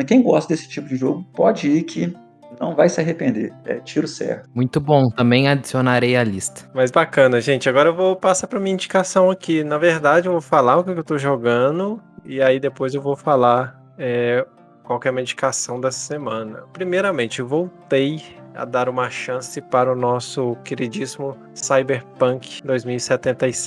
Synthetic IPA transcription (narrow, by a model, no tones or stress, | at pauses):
kẽj̃ɡɔst̪ɐd̪esɪ̥t͡ʃipʊd͡ʒɪʒoɡʊpɔd͡ʒɪikʰɪ | nɐ̰̃w̃vajsɪaɦepẽnd̪ḛɾɛ̰t͡ʃiɾʊsɛ̰ɾt̪ʊmũj̃t̪ʊbõw̃t̪ɐ̃mbẽj̃ad͡ʒisionaɾejalist̪ɐ̥mɐjzbakɐ̃nɐʒẽt͡ʃɪaɡɔɾɐewvowpasapɾɐmĩɲɐĩd͡ʒikasɐ̃w̃akinɐveɾd̪ad͡ʒɪewvowfalaɾʊkɛkɪewt̪oʒoɡɐ̃nd̪ʊɪaid̪epojzewvowfalaɾ | ɛ | kwawkɛmid͡ʒikasɐ̃w̃d̪ɐssemɐ̃nɐ̰pɾimejɾɐmẽnt͡ʃɪewvowt̪ejɐ̰d̪aɾũmɐʃɐ̃sɪpaɾʊnɔsʊkeɾid͡ʒisimʊ | sajbeɾpɐ̃kd̪ojzmiwisɛt̪ẽnt̪ɐis